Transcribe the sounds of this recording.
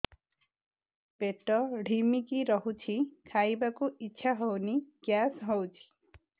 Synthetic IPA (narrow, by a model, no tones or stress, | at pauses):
peʈɔɽ̤ʱimikiɾɔɦut͡ʃʰikʰajbakuitːʃʰaɦɔwniɡ̥jasɦɔwt͡ʃʰi̥